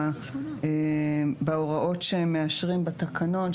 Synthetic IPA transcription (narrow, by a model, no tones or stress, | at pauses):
ebeoʁaʔo̞tʃeemːeaʃʁimbat̪akʰano̞n